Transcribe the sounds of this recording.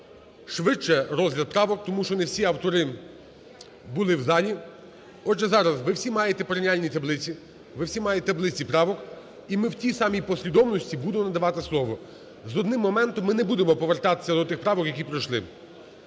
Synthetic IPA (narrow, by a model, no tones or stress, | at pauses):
ʃʋɪt͡ʃːɛrɔzlʲɐd̪̚pɾɑʋɔk̚t̪ɔmuʃt͡ʃɔnewsʲiɐwt̪ɔɾɪ | bʊlˠɪwzɑlʲi | ɔd͡ʒɛzɑɾɐzʋɪwsʲimɑjet̪ɛpɔɾʲnʲialʲnʲit̪ɐblˠɪt͡sʲi | ʋɪwsʲimɑjet̪ɛɐblˠɪt͡sʲipɾɑʋɔk | imɪwtʲisɑmʲijpɔsʲʋʲid̪ɔmnɔsʲtʲibud̪emɔnɐd̪ɐʋɑt̪ɪslˠɔʋɔ | zɔd̪nɪmːɔmɛnt̪ɔmːɪnɛbud̪emɔpɔʋert̪ɑt̪ɪ̥sʲːɐd̪ɔt̪ɪxpɾɑʋɔkjɐkʲipɾɐjʃlˠɪ